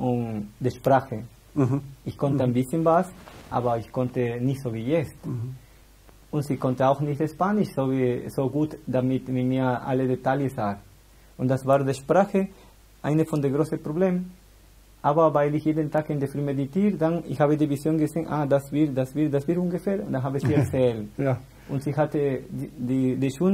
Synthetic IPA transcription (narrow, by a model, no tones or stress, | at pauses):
und̪eʃpɾaxə | içkɔnt̪əajnbɪsjənvasʔa̰ːbɐiçkɔntəniçtz̥ovijɛt͡st̪ | untzikɔntəawxniçtespaːniʃsovisoɡuːt̪d̥̪amit̪mitmiːɐa̰ledetaljəsaːɾ | ʊntd̥asvaːɾdeʃpɾaːxə | ʔaɪnəfɔndeɡɾosəpɾobleːmn | ʔaːbɐvaɪlɪçjedəntaːkindefɾymeditiːɾdanɪ̰çhaːβədivisjoːnɡəzeːnʔa̰dasviɾdasvidasviɾunɡəfɛːɾʊ̰ndanɦaːbəsiɛt͡sɛln | ʊntz̥ihatədidiʃun